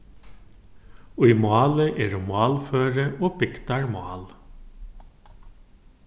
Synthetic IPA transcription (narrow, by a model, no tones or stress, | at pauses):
oiːmʊɑːləʔeːɹomɑːlføːɾəʔoːbɪkt̪ɑɹmɑ̰ːl